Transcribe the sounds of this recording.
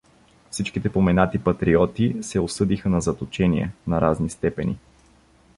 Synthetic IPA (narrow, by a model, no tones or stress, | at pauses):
fsit͡ʃkit̪ɛpomɛnat̪ipɐt̪ɾiɔt̪isɛosɤd̪ixənɐzɐt̪ot͡ʃɛniɛ̰nɐɾaznist̪ɛpɛnʲḭ